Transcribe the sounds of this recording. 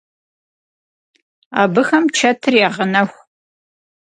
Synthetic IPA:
a̰ːbɨxɐmt͡ʃʰɐtʰɨriaːʁənɐxʷ

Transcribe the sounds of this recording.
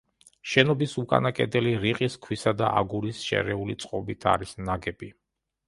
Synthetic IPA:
ʃɛnɔbisukʼa̰nakʼɛd̪ɛliɾiqʼiskʰwisad̪a̰ʔa̰ɡuɾisʃɛ̰ɾɛulit̪sʼqʼɔbit̪ʰa̰ɾisnaɡɛbi

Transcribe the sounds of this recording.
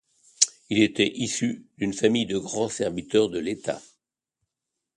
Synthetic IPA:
ilet̪ɛʔisyd̪ynfamijd̪əɡʁɑ̃sɛʁvit̪œʁd̪əlet̪a̰

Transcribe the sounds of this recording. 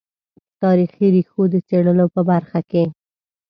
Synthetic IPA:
t̪ɑɾixiɾixod̪ət͡seɽəlopəbaɾxake

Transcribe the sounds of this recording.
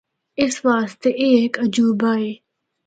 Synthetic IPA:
ɪsʋaːst̪eʔeːkəd͡ʒuːbaːeː

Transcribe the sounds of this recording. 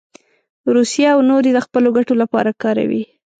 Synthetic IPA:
ɾusijaːwnoɾed̪əxpəloɡaʈolapɑ̰ɾakɑɾa̰wḭ

